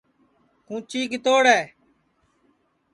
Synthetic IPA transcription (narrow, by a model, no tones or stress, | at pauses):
kũːt͡ʃiːkɪt̪oːɽɛː